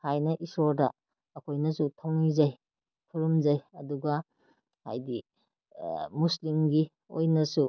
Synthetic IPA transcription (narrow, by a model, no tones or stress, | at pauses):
hajnɐʔisoɾdɐː | kʰojnɐsutʰawnizaj | kʰuɾumzɐjɐduɡɐ | ha̰jdi | muslimɡi | o̰jnɐsu